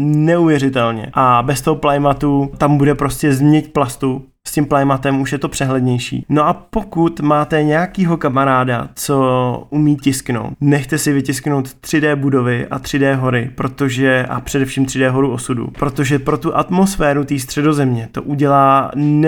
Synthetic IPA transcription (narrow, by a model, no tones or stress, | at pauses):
nɛuvjɛrɪt̪ɛlɲɛ̰ʔabɛst̪oɦoplajmat̪ut̪ambudɛpɾo̞scɛzmɲɛcplast̪u | scɪmplajmat̪ɛmuʃjɛt̪o̞pr̝̥ɛɦlɛd̪ɲɛjʃḭːno̞ʔapo̞kut̪maːt̪ɛɲɛjakiːɦo̞kamaɾaːda̰t͡so̞ʔumiːcɪskno̞̰wt̪nɛxt̪ɛsɪvɪcɪskno̞wt̪ːr̥ɪdɛːbudo̞vɪʔa̰t̪r̥ɪdɛːɦo̞ɾɪpɾo̞t̪o̞ʒɛʔa̰pr̥ɛdɛfʃiːmt̪r̥ɪdɛːɦo̞ɾuo̞sudṵpɾo̞t̪o̞ʒɛpɾo̞t̪uʔat̪mo̞sfɛːɾut̪iːs̬t̪r̥ɛdo̞zɛmɲɛt̪o̞̰ʔuɟɛlaːn